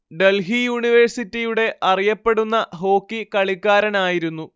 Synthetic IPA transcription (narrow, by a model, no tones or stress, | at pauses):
ɖe̞lɦijuːɳiʋɐrsitːijuɽe̞ʔʔɐrijɐpːe̞ɽunːɐɦo̞ːkːikɐɭikːaːɾɐnaːjiɾunːu